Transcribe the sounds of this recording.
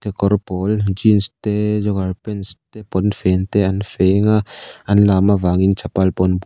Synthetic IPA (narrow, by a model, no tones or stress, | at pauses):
kekɔɾpɔld͡ʒinst̪ed͡ʒɔɡaɾpenst̪epɔnfent̪eanfeŋaɐnlamavaŋint͡ʃʰapalpɔnb